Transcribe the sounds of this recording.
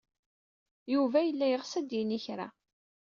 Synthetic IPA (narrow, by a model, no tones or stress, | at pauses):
juvæjəlːæjəʁsæd̪jiniçɾa̰